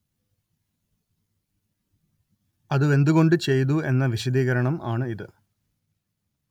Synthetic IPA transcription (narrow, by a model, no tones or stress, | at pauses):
ɐðɨe̞nd̪uɣo̞ɳɖɨt͡ɕe̞jt̪ue̞nːɐʋiɕɐd̪iːɣɐɾɐɳɐma̰ːɳɨiðɨ